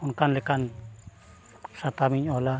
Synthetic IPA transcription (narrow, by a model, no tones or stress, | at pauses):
unkanlɛkan | sat̪amiɲɔla